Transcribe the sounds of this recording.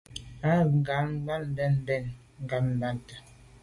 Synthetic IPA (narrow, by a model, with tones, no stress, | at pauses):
a˦˨ŋ˨ɡa˨˦ba˦n˦dɛ˦n˦dɛ˦˨n | ŋ˨ɡa˦n̩˦ba˦nta˨